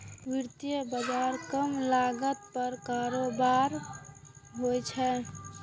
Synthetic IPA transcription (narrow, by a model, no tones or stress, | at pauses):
ʋiɾt̪ijəbəd͡ʒaɾkəmlaɡət̪̚pəɾkaɾobaɾ | ɦojt͡ʃʰɛ